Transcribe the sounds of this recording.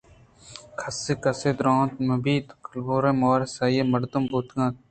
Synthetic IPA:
kʰɐseːkɐseːd̪ɾõːt̪mɐbiːt̪kɐlboːɾẽːmoːɾesaːjeːmɐɾd̪ʊmbuːt̪ɡãːt̪̚

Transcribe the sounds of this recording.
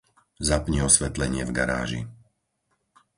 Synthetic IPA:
zapɲiɔsʋɛt̪lɛɲɪɛvɡaɾa̰ːʒḭ

